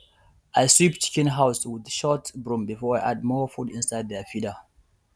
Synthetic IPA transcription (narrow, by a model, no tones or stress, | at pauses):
ʔajsipt͡ʃi̥kɛ̃nɦaʊswɪdʃɔtbɹũmbifɔajʔad̚mɔfutĩnsaɪd̪̚ðɛfidə